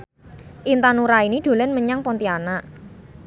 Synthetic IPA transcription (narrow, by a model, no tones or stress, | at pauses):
ʔint̪anuɾainiɖ̪̥o̤lənməɲaŋpɔnt̪ianaʔ